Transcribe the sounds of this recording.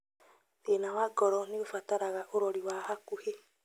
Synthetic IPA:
ðenawaɡɔɾɔniofataɾaɣaʔoɾɔɾiwahakuhe

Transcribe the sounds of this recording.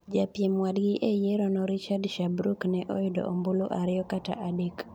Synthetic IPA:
d͡ʒapjemwadɡɪʔejeɾɔnɔɾit͡ʃadʃabɾuknɛʔɔjɪdo̰ʔomboloʔaɾɪɔkata̰ʔadek

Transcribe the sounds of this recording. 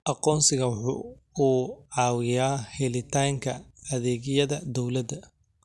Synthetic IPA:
ʔɑqɔːnsɪɣɐwʊħʊ̰ː | uːʕɑːwɪjaːhɛlɪt̪ʰaːŋkʰɐːðɛːɡɪjɐðɐd̪ɔwlɐd̪ɐ

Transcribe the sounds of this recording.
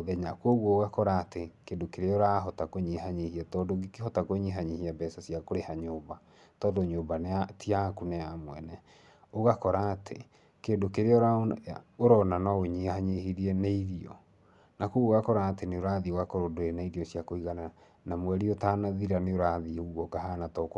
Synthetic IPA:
oðɛɲakoɣwɔːɣakɔɾaːtekeːndokeɾeɔɾaɦɔtakoɲeɦaɲehiatɔːdoɡikeɦɔtakoɲeɦaɲehiabɛsasiakoɾehaɲoːba | tɔːdoɲoːbaneatʰiakuneamwɛnɛ | oɣakɔɾaːtʰḛ | kendokeɾeɔɾaoɾɔnanɔoɲehaɲehiɾiɛneiɾiɔ̰ | nakuɣɣakɔɾaːteneoɾaðioɣakɔɾodoenaiɾiɔsiakoiɣana | namwɛɾiotanaðiɾaneoɾaðiuɣɔkaɦanatɔk

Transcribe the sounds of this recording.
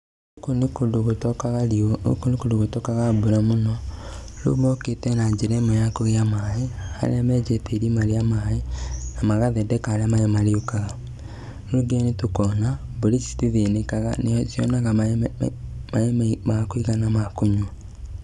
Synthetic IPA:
okonekodoɣotɔkaɣaɾioo̰konekodoɣotɔkaɣaboɾɛmonɔ | lo̰mɔketɛnad͡ʒeɾɛmɔjakoɣeamaeha̰ɾḛamɛd͡ʒɛteɾimaɾeamaenamaɣaðɛdɛkaɾeamaemaɾeokaɣa | ɾoɡeɛnetokɔnaboɾisi̥tiðenekaɣa̰neɔsjɔnaɣa | maemɛmakoiɣanamakoɲo

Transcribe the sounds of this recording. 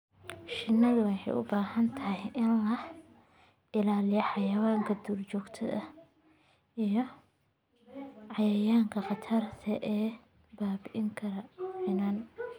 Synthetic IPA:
ʃɪnːɐðʊwɑħɑ̰jʔʊ̰baːɦɐnt̪ʰɐɦɛʔɪnlɐh | ʔɪlaːlɪjɐħɑjɐwaːŋkʰɐd̪uːrt͡ʃɔːɡt̪ʰɐ̰ʔɐ | ʔijɔ | ʕɑjɐjaːŋkʰɐqɑt̪ʰɐrt̪ʰɐʔɛː | baːbɪʔɪŋkʰɐɾɐʕɪnaːn

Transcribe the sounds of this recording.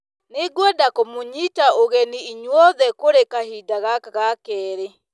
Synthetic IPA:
neɡwɔdakomoɲitaoɣɛniiɲwɔðɛkoɾekahidaɣakaɣakɛːɾe

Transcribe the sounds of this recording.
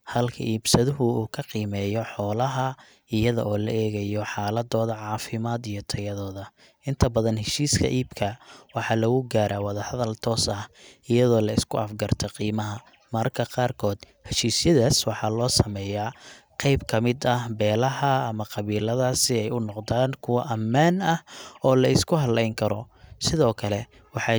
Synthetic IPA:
hɐlkʰɐ̰ʔiːbsɐðʊɦʊuːkʰɐqiːmɛːjɔħɔːlɐɦɐ | ɪjɐðɐ̰ʔɔːlɐ̰ʔɛːɣɐjɔħɑːlɐd̪ɔːðɐʕɑːfɪmaːd̪ijɔt̪ʰɐjɐðɔːðɐ | ʔɪnt̪ʰɐbɐðɐnhɛʃiːskʰɐ̰ʔiːbkʰɐwɑħɑːlɐɣʊɡaːɾaːwɑðɐhɐðɐlt̪ʰɔːsɐhɪjɐðɔːlɐɪskʰʊɐfɡɐrt̪ʰɔqiːmɐɦɐ | mɐrkʰɐqɑːrkʰɔːd̪̥hɛʃiːsjɐðaːswɑħɑlɔːsɐmɛːjaːqɑjbkʰɐmɪd̪ɐbɛːlɐɦɐːmɐqɑβiːlɐðaːsɪɛjʊnɔqd̪aːnkʰʊwɑʔɐmːaːnɐhɔːlɐɪskʰʊɦɐlɛjŋkʰɐɾɔsɪðɔːkʰɐlɛ | wɑħɑː

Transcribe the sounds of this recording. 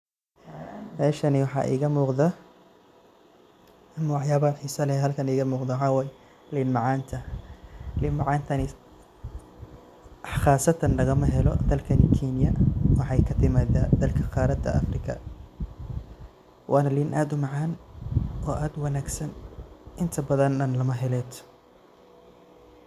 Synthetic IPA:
mɛːʃɐnɪwɑħɑ̰ːʔḭːɣɐmuːqðɐ | mwɑħjaːβɐɐħiːsɐlɛhɦɐlkʰɐniːɣɐmuːqd̪ɐwħɑːwɛːjɛ | linmɑʕɑːnt̪ʰɐ | liːnmɑʕɑːnt̪ʰɐnɪ | χɑːsɐt̪ʰɐnlɐɣɐmɐɦɛlɔ̰d̪ɐlkʰɐnɪkʰinɪjɐwɑħɑjkʰɐt̪ʰɪmaːðaːd̪ɐlkʰɐqɑːɾɐd̪ɐ̰ɐ̰frɪkʰɐ̰ | wʔɑːnɐliːnʔaːd̪ʊmɑʕɑːn | ɔːʔaːd̪wɐnaːɡsɐnʔɪnt̪ʰɐbɐðɐnɐnlɐmɐɦɛlɛːt̪ʰ

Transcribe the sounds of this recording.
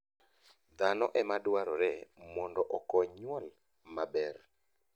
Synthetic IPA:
d̪anɔ̰ʔɛmadwaɾɔɾɛmɔndɔʔɔkɔɲwɔl | mabɛr

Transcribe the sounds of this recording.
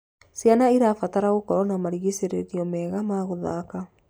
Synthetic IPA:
sjanaiɾafataɾaɣokɔɾɔnamaɾiɣeseɾeɾiɔmɛːɣamaːɣoða̰ka

